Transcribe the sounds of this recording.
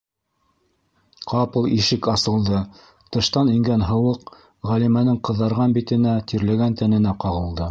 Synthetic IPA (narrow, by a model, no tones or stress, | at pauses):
qɑpɤlˠiʃɘkɑsɤ̆lˠd̪ɤ | t̪ɤ̆ʃt̪ɑniŋɡænɦɤ̆wɤq | ʁælimænɘŋqɤ̆ðːɑɾʁɑnbit̪ɘ̆næt̪iɾlæɡænt̪ænɘ̆næqɑʁɤ̆lˠd̪ɤ